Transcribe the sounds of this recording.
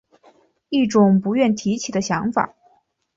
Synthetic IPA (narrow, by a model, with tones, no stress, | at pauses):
i˥˩ʈ͡ʂʊ˨˩ŋpu˧˥ɥɛ˥˩nt̪ʰi˧˥t͡ɕʰi˨˩d̪ə˦ɕjɑ˧˥ŋfa̰˨˩˦